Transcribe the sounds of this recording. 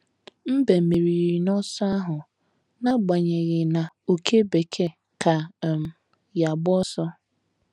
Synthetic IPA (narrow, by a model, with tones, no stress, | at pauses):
m̩˦be˨mi˨ɾi˨ɾi˨nɔ˦sa˦ɦʊ˨ | na˦ɡ͡ba˨ɲe˨ɣɪ˨na˨o˨kʰe˦be˨kʰe˦ | ka˨m̩˨ | ja˨bɔ˦sɔ˦